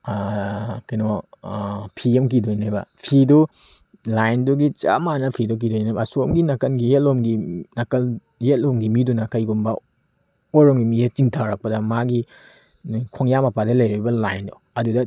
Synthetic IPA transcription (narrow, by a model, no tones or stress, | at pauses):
kino | pʰiɐmk̬idonnabɐ̰pʰidu | lajnduɡit͡ʃa̰manɐpʰidok̬idojnnajbɐːsomɡinɐkɐnɡijetlomɡinɐkɐl | jet̚lomɡimidunɐkɐjɡumbɐ | oɾoŋɡimijet͡ʃiŋtʰawɾɐk̚pɐdɐmaɡi | kʰoŋjamɐpadɐlɐjɾibɐlajndo | ɐdudɐ